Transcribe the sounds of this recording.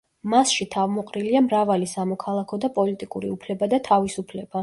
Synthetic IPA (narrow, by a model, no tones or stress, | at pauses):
masʃit̪ʰavmɔqʼɾiliamɾavalisamɔkʰalˠakʰɔd̪apʼɔlit̪ʼikʼuɾḭupʰlɛbad̪at̪ʰavisupʰlɛb̥a